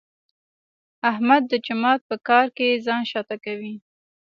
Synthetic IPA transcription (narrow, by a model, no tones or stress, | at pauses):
ahmad̪ːəd͡ʒamɑt̪̚pəkɑɾkezɑnʃɑt̪akawi